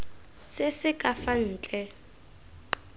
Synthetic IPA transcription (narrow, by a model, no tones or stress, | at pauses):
sɪsɪkʼafan̩ːt͡ɬʼɛ